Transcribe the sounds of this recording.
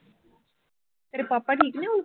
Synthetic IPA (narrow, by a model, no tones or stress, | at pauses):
t̪əɾpapːaʈʰiːkneu